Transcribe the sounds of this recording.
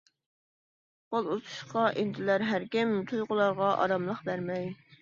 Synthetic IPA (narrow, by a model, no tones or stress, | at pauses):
qolˠut̪ʰu̥ʃqɑʔent̪ʰɪlæɾɦæɾkʲɪmt̪ʰujʁʊlˠɑɾʁɑʔɑ̰ɾɑmlˠəqbæɾmɛj